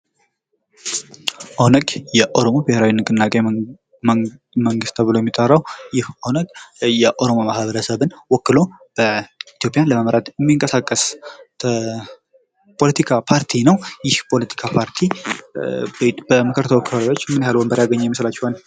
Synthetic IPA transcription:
ʔonəɡʼjɛʔo̞ɾo̞mobɨheɾawinɨkʼɨnːakʼe | məŋɡɨst̪ʰəβɨlo̞jɛmːit̪ʼːərːawjɪhʔonəɡʼjɛʔo̞ɾo̞momahβəɾəsəβɨnwɔkːɨlo̞b̥əit̪ijo̞pʼjanləməmɾat̪jɛmːiŋkʼəsakʼːəs | pʰo̞lət̪ʰikʰapʰaɾt̪ʰinəwjɪhpʰo̞lət̪ʰi̥kʰapʰaɾt̪ʰi | bəməkʰəɾt̪ʰəwɔkːɨlaɾot͡ʃːmɨnhalwəmbəɾjaɡəɲːɛjɛmislat͡ʃːɛhal

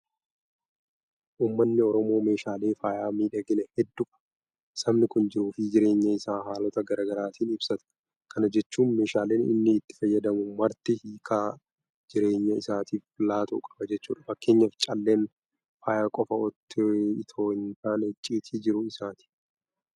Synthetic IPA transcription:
ʔuːmːɐnːɪɔɾɔmo̞ːme̞ːʃaːle̞ːfaːjaːmiːᶑɐɡɪnɛhɛd̪ːʊ̥ | sɐmnɪkʊnd͡ʒɪɾuːfɪd͡ʒɪɾe̞ːɲːɐɪsaːhaːlɔt̪ɐɡɐɾaːɡɐɾaːt̪ʰiːnɪbsɐt̪ɐ̥ | kʰɐnɐd͡ʒɛt͡ʃːuːnme̞ːʃaːleːnɪ̰nːɪːt̪ːɪ̥fɐjːɐd̪ɐmʊmɐɾt̪ɪhiːkʰa | d͡ʒɪɾe̞ːɲːɐɪsaːt̪iːflaːt̪ʊːkʼɐbɐd͡ʒɛt͡ʃːṵːᶑɐfɐkːe̞ːɲːɐft͡ʃʼɐlːe̞ːn | faːjaːkʼɔfɐɔt̪ːɪt̪ʰoːɪnt̪aːnɪt͡ʃʼːiːt̪ʰiːd͡ʒɪɾʊɪsaːt̪i̥ː

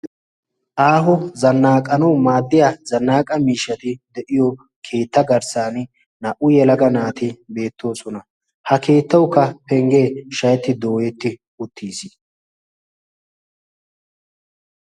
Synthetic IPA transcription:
ʔaːɦɔzɐnːaːkʼːɐnɐwmaːd̪ːɪjazɐnːaːkʼɐmiːʃːɐt̪ɪd̪ɛʔɪjɔ | kʰe̞ːt̪ːɐɡɐɾsaːn | nɐʔʊjɛlɐɡɐnaːt̪ɪbe̞ːt̪ʰːo̞ːsɔnɐ | hɐke̞ːt̪ːɐwkːɐpɛŋɡeːʃɐjɛt̪ːɪd̪o̞ːjɛt̪ːɪ | ʊt̪ʰːiːsi

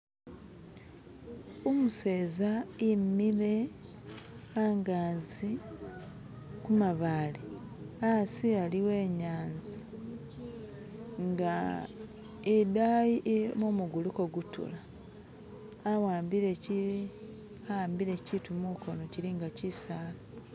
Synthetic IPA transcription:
omuse̞ːzaimːile̞ | aŋɡaːzi | kumaβaːle | asialiwe̞ːɲaːnzi | ŋɡa | edajiʔemumuɡuluko̞ɡutṵla | waːmbiɾeci | aaːmbiɾe̞citumuko̞no̞ciɾiŋɡacisaːlo

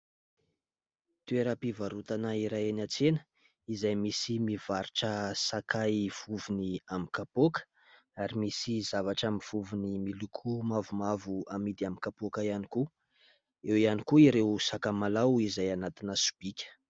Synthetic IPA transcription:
t̪ueɾəpivaɾut̪anaiɾajenat͡senə̥ | izajmisimivaɾiʈ͡ʂəsakajv̥uvuniamikapokə̥ | aɾimisizavaʈ͡ʂamiv̥uvunimilukʰumavumavuamid̪iamikapokaianiku | ewianikuiɾewsakamalawizajanat̪inəsu̥b̥ikʲə̥

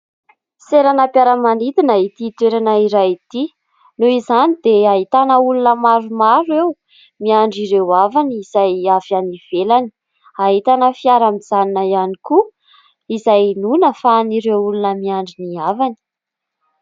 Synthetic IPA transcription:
seɾanapjaɾəmanit̪inəit̪it̪weɾanaiɾajit̪i | nuizanid̪eaɦit̪anəulunəmaɾumaɾew | miaɳɖ͡ʐiɾewavaniizajavfianiv̥elani̥ | aɦit̪anəfiaɾamizaninajaniku | izajinunəfaniɾewulunəmiaɳɖ͡ʐiniavani̥

